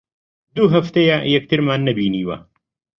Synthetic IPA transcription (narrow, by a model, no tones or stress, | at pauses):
d̪uɦɐft̪ejajɛk̚t̪ʰɨɾmaːnːɐbiːniːwɐ̰